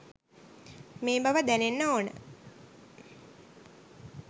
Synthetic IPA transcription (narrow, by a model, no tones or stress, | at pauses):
meːbaʋəd̪ænenːaonə̰